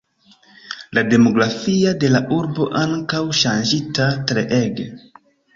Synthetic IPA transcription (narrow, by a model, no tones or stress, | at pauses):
lade̞mo̞ɡɾafiade̞laʔuɾbo̞ʔaŋkawʃand͡ʒitatɾe̞ʔeɡe